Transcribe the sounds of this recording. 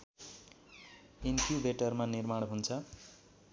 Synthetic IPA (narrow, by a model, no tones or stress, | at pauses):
inpʰjubʱeʈʌrmanirmaɽɦunt͡sʰʌ